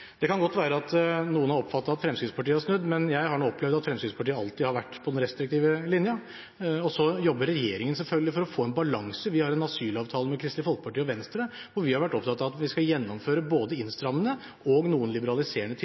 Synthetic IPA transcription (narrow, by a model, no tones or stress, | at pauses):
d̪ɛkʰɑnɡɔt̪ːʋæːɾəɑt̪nuːənhɑɾɔpfɑt̪ːɑt̪ɑt̪fɾɛmskɾɪspʰɑʈiːəæɾʂnʉd̪ːmɛnjæɪhɑɳuːɔpʰːlɛʋd̪ɑt̪fɾɛmskɪspʰɑʈiːəɑlt̪ɪhɑɾʋæʈːpʰɔd̪ɛnɾɛst̪ɾɪk̚t̪ʰiːʋəlɪnjə | ɔsɔjɔbːəɾɛjeːɾɪŋənsɛlfœlɡlɪfɔɾɔfoːɛnbɑlɑŋsəʋɪhɑɾɛnɑsyːlɑːʋt̪ʰɑːləmɛkʰɾɪst̪lɪfɔlkə̥pɑʈiːɔʋɛnst̪ɾəʋʊɾʋɪhɑɾʋæʈːɔp̚t̪ɑt̪ːɑʋɑt̪ʋɪskɑljɛnːɔmføːɾəboːd̪əɪnst̪ɾɑmənə | ɔɡnuːənlɪbəɾɑlɪseːəɳət̪ʰɪ